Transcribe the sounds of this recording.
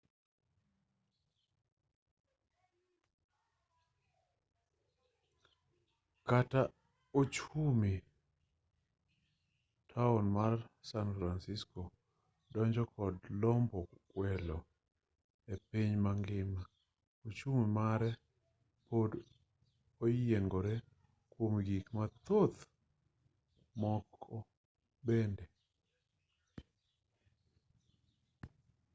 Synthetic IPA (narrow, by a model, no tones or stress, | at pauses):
kata | ot͡ʃumi | tʰaɔnmarsanfɾansisko | dɔɲd͡ʒɔkɔdlɔmbɔkwɛlɔ | epiɲmaŋɡɪma | ot͡ʃumemaɾɛ | pod | ojeŋɡoɾe | kwomɡikmat̪ot̪ | mɔkɔ | bende